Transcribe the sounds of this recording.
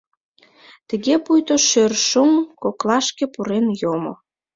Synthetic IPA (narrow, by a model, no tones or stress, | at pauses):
t̪ə̆ɣepujt̪oʃørʃumkoklɑʃkepuɾenjomo̰